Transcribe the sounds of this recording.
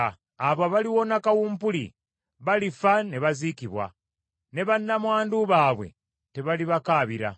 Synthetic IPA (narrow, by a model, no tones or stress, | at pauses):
aβaβaliwonakawuːmpulḭ | βalifane̞βazikiβwa̰ | ne̞βanːamwaːnduβaːβwe̞̰ | te̞βaliβakaːβiɾa̰